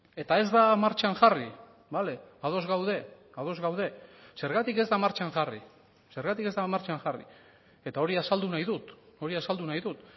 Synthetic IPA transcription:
e̞t̪ae̞zd̪amaɾt͡ʃaŋʝari | bale̞aðo̞zɣawð̞e̞ | aðo̞zɣawðe̞se̞ɾɣat̪ike̞zd̪amaɾt͡ʃaŋʝari | se̞ɾɣat̪ike̞zd̪amaɾt͡ʃaŋʝarḭ | e̞t̪ao̞ɾiasald̪unajðut̪o̞ɾiasald̪unajðut̪

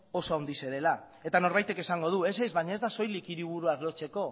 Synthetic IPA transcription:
o̞so̞awnd̪ise̞ðe̞la | e̞t̪ano̞ɾβajt̪e̞ke̞saŋɡo̞ð̞ue̞s̬ezβaɲaed̪aso̞jlikiɾiβ̞uɾuazlo̞t͡se̞ko̞

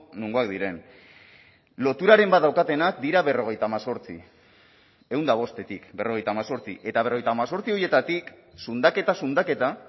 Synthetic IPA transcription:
nuŋɡoak̚d̪iɾe̞n | lo̞t̪uɾaɾe̞mbat̪d̪awkat̪e̞nak̚d̪iɾaβe̞ro̞ɣe̞jt̪aːmaso̞ɾt͡sḭ | e̞wnd̪aβ̞o̞st̪e̞t̪ikbe̞ro̞ɣe̞jt̪aːmaso̞ɾt͡sḭʔe̞t̪aβ̞ro̞ejt̪aːmaso̞ɾt͡sio̞je̞t̪at̪ik | sund̪ake̞t̪asund̪ake̞t̪a

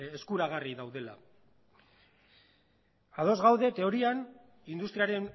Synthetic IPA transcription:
eskuɾaɣ̞ariðawðe̞la̰ | að̞o̞zɣawðe̞t̪e̞o̞ɾian | ind̪ust̪ɾiaɾe̞n

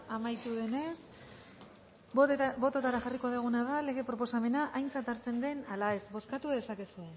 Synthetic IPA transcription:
amajt̪uðe̞ne̞s | bo̞t̪o̞t̪aɾaxariko̞ðeɣ̞unaðale̞ɣ̞e̞pɾo̞po̞same̞naʔajnt͡sat̪aɾt͡se̞nd̪e̞nalae̞sbo̞skat̪uðe̞sake̞sue

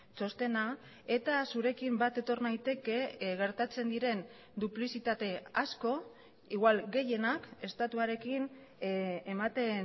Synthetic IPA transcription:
t͡ʃo̞st̪e̞na | e̞t̪asuɾe̞kimbat̪e̞t̪o̞ɾnajt̪e̞ke̞ɣe̞ɾt̪at͡se̞nd̪iɾe̞n | d̪uplisit̪at̪e̞asko̞ | iɣwalɣe̞je̞nake̞st̪at̪uaɾe̞kin | emat̪e̞

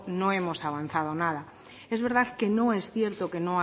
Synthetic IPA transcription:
nõemosaβ̞anθað̞onað̞a | ezβe̞ɾðaðkenõesθje̞ɾt̪okenõa

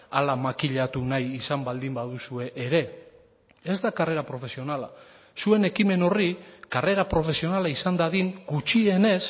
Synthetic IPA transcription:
alamakiʎat̪unajisambald̪imbaðusue̞ʔːɾe̞ | e̞zd̪akare̞ɾapɾo̞fe̞sio̞nala | sue̞ne̞kime̞no̞rikare̞ɾapɾo̞fe̞sio̞nalaisand̪aðiŋɡut͡ʃie̞ne̞s

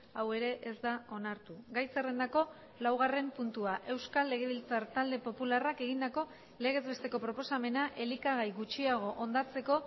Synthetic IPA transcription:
awe̞ɾe̞ʔezd̪ao̞naɾt̪uɡajsere̞nd̪ako̞ | lawɣ̞are̞mpunt̪uaʔe̞wskalːe̞ɣ̞e̞βilt͡saɾt̪ald̪e̞po̞pularake̞ɣ̞ind̪ako̞ | le̞ɣ̞e̞zβe̞st̪e̞ko̞pɾo̞po̞same̞naʔe̞likaɣ̞ajɣut͡ʃiaɣ̞o̞ʔond̪at͡se̞ko̞

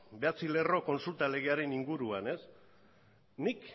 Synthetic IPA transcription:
be̞at͡sile̞ro̞ko̞nsult̪ale̞ɣ̞e̞aɾe̞niŋɡuɾuane̞s | nik

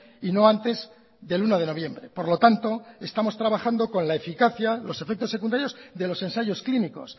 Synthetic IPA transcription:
ino̞ant̪e̞z | ðe̞lunoðe̞no̞βje̞mbɾe̞po̞ɾlo̞t̪ant̪o̞e̞st̪amo̞st̪ɾaβaxand̪o̞ko̞nlae̞fikaθjalo̞se̞fe̞k̚t̪o̞sːe̞kund̪aɾjo̞zðe̞lo̞se̞nsaʝo̞skliniko̞̰s

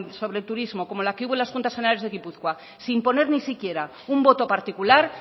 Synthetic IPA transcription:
so̞βɾelt̪uɾizmo̞ko̞mo̞lakeuβo̞lasxunt̪asfenalezðe̞ɣipuθkwa | simpo̞ne̞ɾnisikje̞ɾa | umbo̞t̪o̞paɾt̪ikulaɾ

